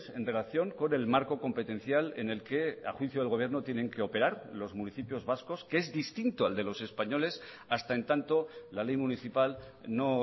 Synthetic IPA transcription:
se̞nre̞laθjo̞ŋko̞ne̞lmaɾko̞ko̞mpet̪ẽ̞n̟θjale̞̰ne̞lke̞a̰xwiθjoðelɣo̞β̞je̞ɾno̞t̪je̞nẽ̞ŋkeo̞pe̞ɾaɾlo̞zmuniθipjo̞zβasko̞skeezðist̪int̪oald̪e̞lo̞se̞spaɲo̞le̞s | ast̪ae̞nt̪ant̪o̞lale̞jmuniθipal | no̞

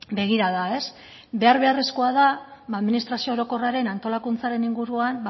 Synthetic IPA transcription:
be̞ɣ̞iɾaðae̞s | be̞aɾβ̞e̞are̞sko̞aðaaðminist̪ɾasio̞oɾo̞ko̞raɾe̞nant̪o̞lakunt͡saɾe̞niŋɡuɾuan

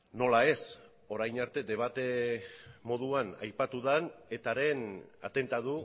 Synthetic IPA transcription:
no̞lae̞s | o̞ɾajnaɾt̪e̞d̪e̞βat̪e̞ | mo̞ð̞uana̰jpat̪uðane̞t̪aɾe̞na̰t̪e̞nt̪aðu

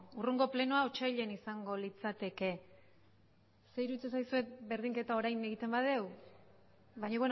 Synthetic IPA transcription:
uruŋɡo̞ple̞noaot͡ʃajʎe̞nisaŋɡo̞lit͡sat̪e̞ke̞ | se̞iɾut͡ses̬ajsue̞t̪̚be̞ɾðiŋke̞t̪ao̞ɾajne̞ɣ̞it̪e̞mbað̞e̞w | βajɲoβen

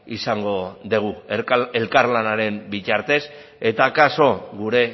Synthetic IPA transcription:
isaŋɡo̞ðeɣ̞ue̞lkaɾlanaɾe̞mbit͡ʃaɾt̪e̞s | e̞t̪akaso̞ɣuɾe̞

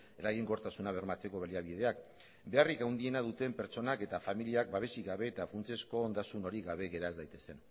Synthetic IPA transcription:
eɾaɣiŋɡoɾt̪asunaβ̞e̞ɾmat͡se̞ko̞βaliaβ̞iðe̞ak | be̞arikawnd̪ie̞nað̞ut̪e̞mpe̞ɾt͡so̞nake̞t̪afamiliak̚baβ̞e̞siɣaβe̞ːt̪afunt͡sesko̞ːnd̪asuno̞ɾiɣaβ̞e̞ɣe̞ɾaezd̪ajt̪e̞se̞n

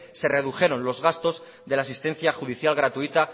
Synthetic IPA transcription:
se̞re̞ð̞uxe̞ɾo̞nlo̞zɣast̪o̞z | ðe̞laːsist̪ẽ̞n̟θjaxuð̞iθjalɣɾat̪uit̪a

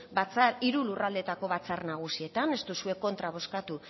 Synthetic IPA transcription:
bat͡saɾiɾulurald̪e̞t̪ako̞βat͡sarnaɣ̞usie̞t̪ane̞st̪usue̞ko̞nt̪ɾaβ̞o̞skat̪u

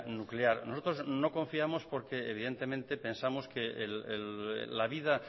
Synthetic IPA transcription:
nukleaɾno̞so̞t̪ɾozno̞ko̞ɱfiamo̞spo̞ɾkeeβiðe̞nt̪e̞mẽnt̪e̞pẽ̞nsamoskeelel̰ːaβ̞ið̞a

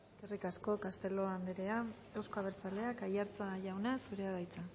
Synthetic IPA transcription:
eske̞rikasko̞kast̪e̞lo̞and̪eɾe̞a | e̞wsko̞aβeɾt͡sale̞akajaɾt͡saʝawnasuɾe̞aðajt͡sa

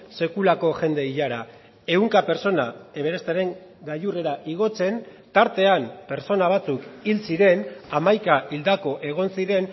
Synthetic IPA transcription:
se̞kulako̞ʝe̞nd̪e̞iʎaɾa | e̞uŋkape̞ɾso̞nae̞βeɾest̪eɾe̞ŋɡajure̞ɾaʔiɣ̞o̞t͡se̞n | t̪aɾt̪e̞ampe̞ɾt͡so̞naβ̞at͡sukilsiɾe̞namajkaʔild̪ako̞ʔe̞ɣ̞o̞nsiɾe̞n

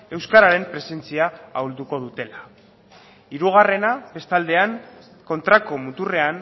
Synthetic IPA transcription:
e̞wskaɾaɾe̞mpɾe̞se̞nt͡siaawld̪uko̞ð̞ut̪e̞la | iɾuɣare̞nabe̞st̪ald̪e̞aŋ | ko̞nt̪ɾako̞mut̪ure̞an

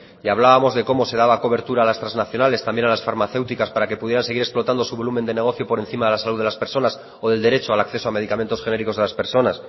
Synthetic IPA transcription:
iaβlaβamo̞zðe̞ko̞mo̞se̞ðaβako̞β̞e̞ɾt̪uɾaːlast̪ɾanznaθjo̞nale̞st̪ambje̞nalasfaɾmaθe̞wt̪ikaspaɾake̞puðjeɾanse̞ɣ̞iɾe̞splo̞t̪and̪o̞suβo̞lume̞nd̪e̞ne̞ɣ̞o̞θjo̞poɾe̞n̟θimaðe̞lasaluðelaspe̞ɾso̞nas | oðe̞ld̪e̞ɾe̞t͡ʃoalakθe̞soame̞ð̞ikament̪o̞sxe̞ne̞ɾikoðelaspe̞ɾso̞nas

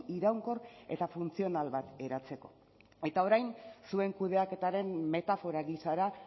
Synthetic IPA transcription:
iɾawŋko̞re̞̰t̪afunt͡sio̞nalβat̪e̞ɾat͡se̞ko̞ | e̞t̪ao̞ɾajnsue̞ŋkuð̞e̞ake̞t̪aɾe̞mme̞t̪afo̞ɾaɣisaɾa

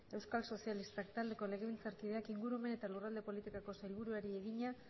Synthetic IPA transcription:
e̞wskalso̞sialist̪akt̪ald̪e̞ko̞le̞ɣe̞β̞ilt͡saɾkiðe̞akiŋɡuɾueme̞ne̞t̪alurald̪e̞po̞lit̪ikako̞sajlβuɾuaɾieɣ̞iɲa

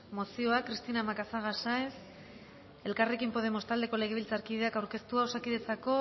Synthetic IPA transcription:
mo̞sio̞akɾist̪inamakasaɣasajs | e̞lkare̞kimpo̞ðe̞mo̞st̪ald̪e̞ko̞le̞ɣeilt͡saɾkiðe̞akawɾke̞st̪uaosakiðe̞t͡sako̞

